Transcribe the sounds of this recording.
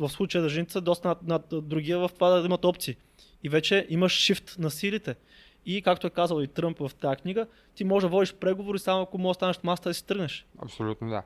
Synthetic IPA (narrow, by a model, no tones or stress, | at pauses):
vəfslˠut͡ʃəjəzɐʒɛnit̪ɛ̥səd̪ɔst̪ɐnnad̪ɾuɡʲiəvɐft̪ovad̪ɐimɐt̪ɔpt̪siː | ivɛt͡ʃɛʔiməʃːift̪nɐsilit̪ɛ | ikakt̪oɛkazəlˠit̪ɾɤmpvɐft̪ajəkniɡə | t̪imɔʒɛd̪ɐvɔd̪iʃpɾɛɡovoɾisamoɐkomɔst̪anɐʃt̪mast̪əd̪ɐsi̥t̪ɤɾɡnɛʃɐ̰psolʲut̪nod̪a̰